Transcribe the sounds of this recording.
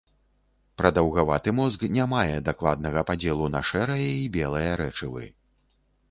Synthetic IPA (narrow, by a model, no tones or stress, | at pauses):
pɾɐd̪ɐwɣavat̪ɨmɔzknʲamajɛd̪aklˠa̰d̪nɐɣɐpad͡zʲɛlˠunɐʂɛɾɐjɐibʲɛlˠɐjɐɾɛt͡ʂɨvɨ̰